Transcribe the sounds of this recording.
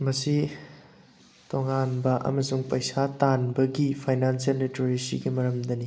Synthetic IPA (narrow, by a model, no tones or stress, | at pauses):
mɐsi | toŋanbɐʔɐ̰mɐsuŋpɐjsatanbɐɡipʰajnansielɾitoɾesḭɡimɐɾɐmd̪ɐni